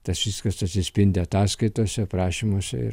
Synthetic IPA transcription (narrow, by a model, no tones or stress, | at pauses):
t̪ɐsʋʲɪskɐsɐt̪ʲsʲɪsʲpʲɪnʲd̪ʲɪɐt̪ɑːskɐɪt̪oːsʲɛpɾɑːʃʲimoːsʲɛ̰ɪ̰ɾ